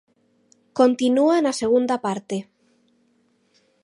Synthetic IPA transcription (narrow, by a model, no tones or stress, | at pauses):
kont̪inuanaseɣ̞und̪apaɾt̪e